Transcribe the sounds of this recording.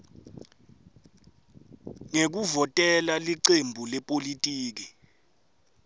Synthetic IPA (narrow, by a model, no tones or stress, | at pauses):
ŋek̬uvɔtʼɛlaliǀembʱulɛpʼolitʼiːk̬i